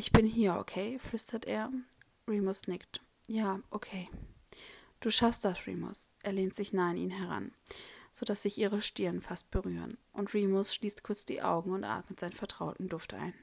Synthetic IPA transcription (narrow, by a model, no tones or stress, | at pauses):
ʔɪçb̥ɪnɦiːɐo̰kʰeɪflʏstɐtʔeːɐ | ʁiːmosnɪkt | jaːʔokʰeː | d̥uːʃafst̚d̥asʁḭːmʊ̰sʔeːɐleːntz̥ɪçnaːɪnʔiːnɦɛʁ̞a̰nz̥oːdasz̥ɪçʔiːʁ̞əʃtɪɐənfast̚b̥əʁyːʁə̰nʔʊntʁiːmosʃliːstkʰʊɐt͡sd̥ḭːʔa̰ʊɡŋ̩ʊntʔa̰ːtmətz̥aɪnfɛɐtʁ̥aʊtn̩dʊftʔa̰ɪn